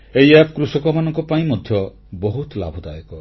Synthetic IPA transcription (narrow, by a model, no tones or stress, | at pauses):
ejapʰkɾusɔkɔmanɔŋkɔpaĩmɔd̪ʱjɔ | bɔɦut̪la̰bʱɔd̪a̰jɔkɔ